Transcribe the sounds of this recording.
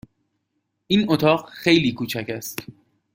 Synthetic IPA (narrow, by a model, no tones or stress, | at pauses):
ʔiːnot̪ʰɒːɢxejliːkʰuːt͡ʃʰæcæst̪